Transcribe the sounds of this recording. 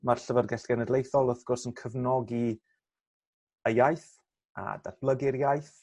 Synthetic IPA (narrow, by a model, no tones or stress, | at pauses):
marɬəvərɡɛɬɡ̥ɛnɛdlˠejθɔlˠəfɡ̥ɔrsənkʰəvnɔɡi | əjajθ | ʔa̰da̰rb̥lˠəɡɪɾjajθ